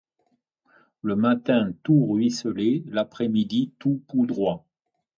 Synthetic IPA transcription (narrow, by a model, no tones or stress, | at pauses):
ləmat̪ɛ̃t̪uʁɥisəlelapχɛmid̪it̪upud̪ʁwa